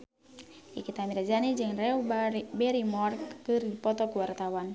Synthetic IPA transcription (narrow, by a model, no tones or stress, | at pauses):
ʔikit̪amiɾad͡ʒanid͡ʒɨŋrɛubɛɾimɔrkkːɨrdipɔt̪ɔkuwart̪awan